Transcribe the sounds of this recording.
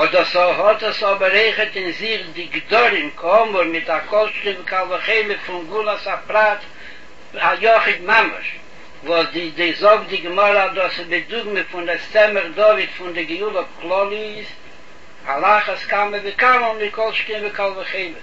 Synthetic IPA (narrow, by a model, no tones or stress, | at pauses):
ɔdɔsɔhɔtɔsɔbəɾeɪχətɪnzɪχdɪɡdɔɾɪmkɔmʊɾmɪtakɔlˠʃtɪmvɪkalˠvəχeɪlˠəfʊŋɡulˠasapɾat | ajɔχɪdmamə̰ʃ | vɔsdɪdɪzɔɡdɪɡəmɔɾəadɔsɪbɪdʊɡməfʊnɛst͡sɛməχdɔvɪdfʊndɪɡɪjulˠəklˠɔlˠɪz | alˠaχəskaməvɪkaməlˠmɪkɔlˠʃtɪmvɪkalˠvəχeɪlˠə